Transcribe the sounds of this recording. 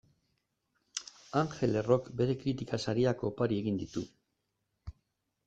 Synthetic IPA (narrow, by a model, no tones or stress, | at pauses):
aŋxe̞le̞ro̞kbe̞ɾe̞kɾit̪ikasaɾiako̞paɾie̞ɣind̪it̪u